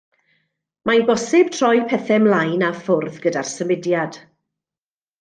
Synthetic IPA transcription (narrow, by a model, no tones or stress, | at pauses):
majnbɔsɪb̥tʰr̥ɔjpʰɛθɛmlˠajnafʊrðɡədarsəmɪdjad̥